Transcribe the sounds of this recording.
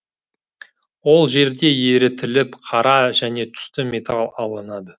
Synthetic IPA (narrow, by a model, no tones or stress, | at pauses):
wo̞lˠʒe̞ɾd̪e̞je̞ɾɪt̪ʰɪlɪpqʰɑɾɑʒæne̞t̪ʰʏ̥st̪ɪmet̪ɑlˠɑlˠənɑd̪ə